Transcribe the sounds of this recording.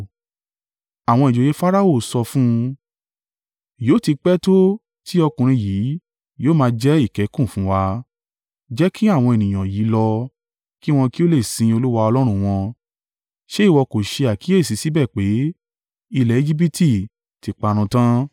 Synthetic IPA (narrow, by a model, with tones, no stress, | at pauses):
a˨w̃ɔ̃˧i˨d͡ʒo˨je˨˦fa˦ɾa˦o˦˨sɔ˧fũ˦ | joː˨˦˨ti˧k͡pɛ˦to˦ | ti˦ɔ˧kũ˨ɾ̃ĩ˧jiː˨˦ | joː˦mãː˧d͡ʒɛ˦i˦˨kɛ˨˦kũ˦˨fũ˨˦wa˧ | d͡ʒɛ˦kʰi˦a˦˨w̃ɔ̃˧e˨nĩ˨j̃ã˨ji˨˦lɔ˧ | ki˦w̃ɔ̃˧ki˦o˦le˦˨sĩ˧o˧lu˦wa˧ɔ˧lɔ˦ɾ̃ũ˧w̃ɔ̃˧ | ʃe˦i˦˨wɔ˧ko˨ʃe˧a˨ki˨˦e˦˨si˨˦si˨˦bɛ˦˨k͡pe˨˦ | i˧lɛ˨e˦d͡ʒi˦p̬i˦tʰi˦˨ | ti˨˧˦k͡pa˧ɾ̃ũ˧tã˦